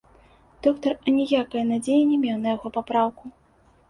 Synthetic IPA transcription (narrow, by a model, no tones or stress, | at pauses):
d̪̥ɔkt̪ɐrɐnʲɛjakɐjɐnad͡zʲejinʲɛmʲɛwnɐjaɣɔpapɾawku